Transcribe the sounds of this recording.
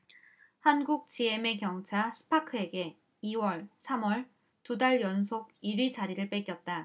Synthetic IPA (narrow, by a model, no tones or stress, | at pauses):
hanɡuk̚t͡ɕ͈ie̞me̞kjʌŋt͡ɕʰasʰɯ̥pʰakʰɯe̞ɡe̞ | iwʌɭsʰamwʌɭ | tudaɭjʌnsʰoɡiɾɥid͡ʑaɾiɾɯɭp͈ek͈jʌt̚t͈a